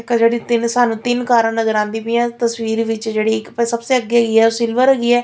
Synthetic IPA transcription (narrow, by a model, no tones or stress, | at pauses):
kad͡ʒeːɽiːt̪ɪnsaːnũːt̪ɪnkaːɾãːnəzəɾãːnd̪iːpĩãːt̪əsʋiːɾʋɪt͡ʃd͡ʒeːɽiːɪkpɛ̃ːsəbseːəɡeːɡiːɛːosɪlʋəɾəɡiːɛː